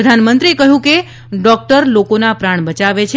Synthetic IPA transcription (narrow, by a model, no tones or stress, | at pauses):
d̪ʱanmənt̪ɾiekəɦjũke | ɖɔk̚ʈəɾlokonapɾaɳ̃bət͡ʃaʋet͡ʃʰe